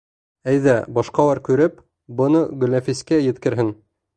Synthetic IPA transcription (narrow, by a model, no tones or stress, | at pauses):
æjðæbɑʃqɑlˠɑɾkʉɾɘp | bɤ̆nɤɡɵ̆lːæfiskæjɘ̆t̪kɘ̆ɾɦɘŋ